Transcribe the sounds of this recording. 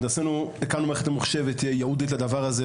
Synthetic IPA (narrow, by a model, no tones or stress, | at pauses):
d̪asɛnuɛkanumɛχtamuχʃɛvɛtɛjauditladavaɾazɛ